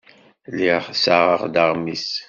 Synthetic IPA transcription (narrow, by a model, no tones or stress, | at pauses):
liʁsaʁəʁd̪əʁmis